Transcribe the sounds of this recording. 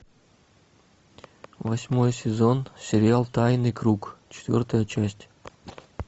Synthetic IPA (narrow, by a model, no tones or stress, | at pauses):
vɐsʲmo̞jəsʲɪzo̞nsʲɪɾʲɪalˠt̪ajnɨjkɾukt͡ɕɪ̥t̪vʲo̰rt̪əjət͡ɕæsʲtʲ